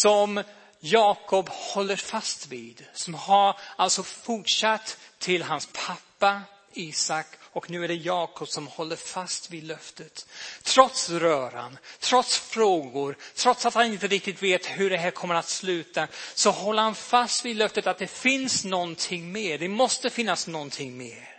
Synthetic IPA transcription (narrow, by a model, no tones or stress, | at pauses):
sɔm | jɑːkʰɔphɔlːəɾfast̪vid̪sɔmhaɾalt̪sɔfʊʈʂat̪ʰːɪlɦanspʰapːa | iːsakːɔknʉ̟ːæɖɛjɑːkɔpsɔmhɔlːəɾfast̪vid̪lœft̪ət̪ʰːɾɔt̪sɾœːɾa̰nt̪ʰɾɔt̪sfɾoːɡʊɾt̪ʰɾɔt̪sat̪hanɪnt̪əɾɪk̚t̪ɪt̪veːt̪hɵɖɛɦæːɾkʰɔmːəɾat̪slʉ̟ːt̪asɔhɔlːəɾhanfast̪vid̪lœft̪ət̪at̪̚d̪ɛfɪnsnɔnt̪ʰɪŋːmeːɖɛmɔst̪əfɪnːasnɔnt̪ʰɪŋːmḛːɾ